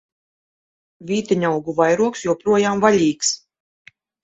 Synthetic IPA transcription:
vʲiːt̪aɲʲawɡuvajɾuɔksjuɔpɾuɔjaːmvalʲiːks

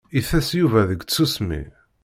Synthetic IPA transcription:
iθæsjuvæðəɡt͡sːusmḭ

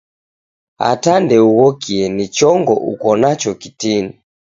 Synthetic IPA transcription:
a̰tandɛuɣɔkʰiɛnit͡ʃɔŋɡɔ̰ʔṵkɔnat͡ʃɔkitini

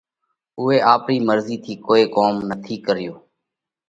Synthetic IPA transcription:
ʊːeːʔaːpɾiːməɾziːt̪ʰiːkoːeːkoːmnət̪ʰiːkəɾɪjoː

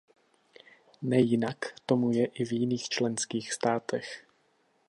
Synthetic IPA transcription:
nɛjɪnakt̪o̞mujɛʔɪvjɪniːxt͡ʃlɛnskiːxst̪aːt̪ɛx

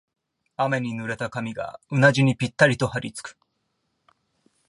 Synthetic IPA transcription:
ame̞ɲ̟inɯɾe̞t̪akamʲiɡa̰ɯnaʑiɲ̟ipʲit̪ːaɾʲit̪o̞haɾʲit͡sɨ̥kɯ̥

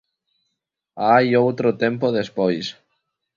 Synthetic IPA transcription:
ajowt̪ɾot̪empoðespojs

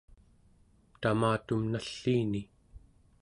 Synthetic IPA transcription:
t̪amaːt̪umnaɬːiːni

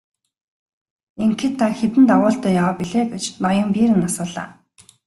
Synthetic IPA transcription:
eŋkʰĕt̪ʰːaxet̪ɘ̆nt̪aʁʊːɬt̪œːjawaːpiɮeːɡet͡ɕnɔjɞ̆mpiːɾɘ̆nːasʊːɮa̰ː

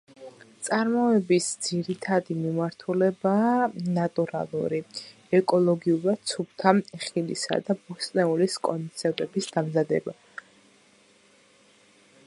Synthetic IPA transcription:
t̪sʼaɾmɔɛbisd̪z̥iɾit̪ʰad̪imimaɾt̪ʰulɛbaːnat̪ʼuɾa̰lˠṵɾi | ɛkʼɔlˠɔɡiuɾḁt̪sʰup̚ʰt̪ʰaχilisa̰d̪abust̪ʼnɛuliskʼɔnt̪sʰɛɾt̪ʼɛbisd̪amzad̪ɛ̰ba

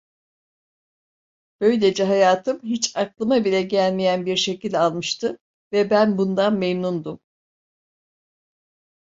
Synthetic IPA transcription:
b̥ø̞jlʲed͡ʒɛɦajaːt̪ʰɯmɦit͡ʃaklˠɯmabilʲɛɟælʲmijænbiɾʃe̞cilʲalˠmɯʃt̪ʰɯ | vɛbænbund̪anmejnund̪um

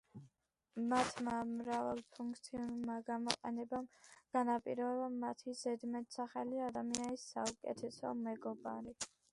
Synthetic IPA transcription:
mat̪ʰmamɾavalˠpʰuŋk̚ʰt̪sʰiunumaɡamɔqʼɛnɛbamɡ̥anapʼiɾɔɛbamat̪ʰizɛd̪mɛt̪saχɛliad̪amianisːa̰ukʼɛt̪ʰɛsɔ̰mɛɡɔba̰ɾi

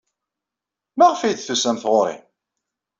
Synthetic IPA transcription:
mæʁfijθθusæmθʁoɾḭ

